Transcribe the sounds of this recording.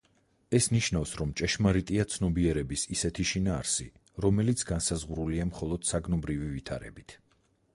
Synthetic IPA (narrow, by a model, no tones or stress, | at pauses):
ɛsniʃnafsɾɔmt͡ʃʼɛʃmaɾit̪ʼiat̪sʰnɔbiɛɾɛbisisɛt̪ʰiʃinaːɾsḭ | ɾɔmɛlit̪sʰɡansazʁɾuliamχɔlˠɔd̪̥saɡnɔbɾivivit̪ʰa̰ɾɛ̰bit̪ʰ